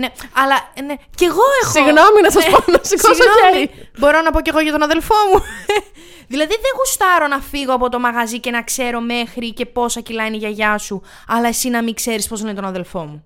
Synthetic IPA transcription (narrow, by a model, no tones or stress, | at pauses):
neɐlɐne̞ce̞ɣo̞exosiɣnominɐs̬ɐsponosikoɣɐnoɐmiibo̞ɾo̞nɐpo̞ce̞ɣo̞ʝɐt̪o̞nɐðe̞lfo̞mu | ðilɐðiðe̞ɣust̪ɐɾo̞nɐfiɣo̞ɐpo̞t̪o̞mɐɣɐzice̞nɐkse̞ɾo̞me̞xɾice̞po̞sɐcilɐiniʝɐʝɐsu | ɐlɐe̞sinɐmiŋkse̞ɾispo̞znet̪o̞nɐðe̞lfo̞mu